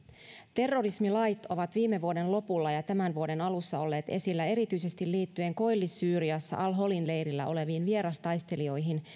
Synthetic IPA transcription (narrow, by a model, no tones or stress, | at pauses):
t̪e̞rːo̞rismilɑjt̪o̞ʋɑt̪ʋiːmeʋuode̞nlo̞pulːɑjɑt̪æmænʋuo̞de̞nɑlusːɑo̞lːe̞ːt̪e̞silːæe̞ɾit̪yise̞st̪illiːt̪ːye̞ŋko̞jlːisːyːɾiɑsːɑ̰ʔɑlɦo̞linle̞jɾilːæ̰ʔo̞le̞ʋiːnʋieɾɑst̪ɑjst̪e̞lio̞jɦin